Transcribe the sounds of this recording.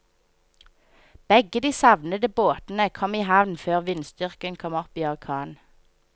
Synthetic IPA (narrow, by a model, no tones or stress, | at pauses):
b̥ɛɡəd̪iːsɑʋnəd̪əboːt̪n̩əkʰɔmiːhɑʋnføːʁʋɪnst̪ʏʁkənkʰɔmɔpiːɑlkʰɑːn